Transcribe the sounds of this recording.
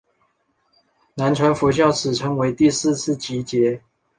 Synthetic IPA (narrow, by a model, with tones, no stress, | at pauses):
na˧˦˥nʈ͡ʂʰwa˧˥nfu˧˥ɕ̬jɑ˥˩ʊt͡sʰɹ̩˨˩ʈ͡ʂʰɤ˧˥ŋwe˧˥ɪt̪i˥˧sɹ̩˥˧t͡sʰɹ̩˥˩t͡ɕi˧˥t͡ɕjɛ˧˥